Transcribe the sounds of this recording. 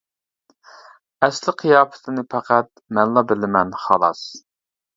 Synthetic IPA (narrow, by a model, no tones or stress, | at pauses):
ɛslɪqʰijɑːpɪ̥t̪ʰɪnɪpʰæqæt̪̚mɛnlˠɑbɪlɪmɛnχɑlˠɑs